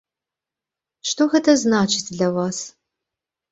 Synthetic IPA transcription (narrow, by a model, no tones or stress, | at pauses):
ʂtoxɛtʰɐznaːt͡ʃʰɪtʰɮɐwaːs